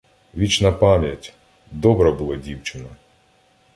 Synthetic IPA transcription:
ʋʲit͡ʃnɐpɑmʲjɐtʲ | d̪ɔbɾɐbulˠɔdʲiwt͡ʃenɐ

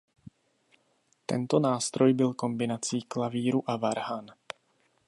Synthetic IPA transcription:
t̪ɛ̰nt̪o̞naːst̪ɾo̞jbɪlko̞mbɪnat͡siːklaviːɾuʔavaɾhan

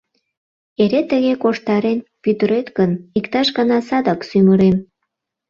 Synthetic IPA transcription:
eɾet̪əɣekoʃt̪ɑɾenpyt̪əɾet̪ɡənikt̪ɑʃɡɑnɑsɑd̪ɑksyməɾem

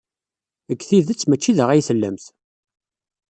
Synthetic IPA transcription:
əɡθiðət͡sːmət͡ʃːiðəʁæjθəlːəmθ

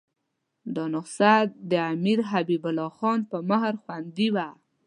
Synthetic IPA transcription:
d̪ɑnʊqsad̪əamiɾɦabibʊlɑxɑnpəməhɾxwand̪iwa

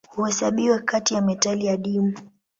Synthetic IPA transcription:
huhɛsaɓiwɛkatijamɛtalijaɗimu

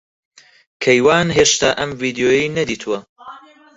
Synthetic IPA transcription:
kʰɐjwaːnɦeːʃt̪aːʔɐmviːd̪ijoːjijnɐd̪iːt̪ʰuwɐ

